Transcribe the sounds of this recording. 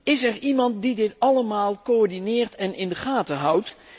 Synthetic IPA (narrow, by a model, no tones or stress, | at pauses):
ɪsɛɹimɑnt̚didɪtɑləmaːlˠkoɔɹdinɪːɹtɛnɪndəχaːtəɦʌwt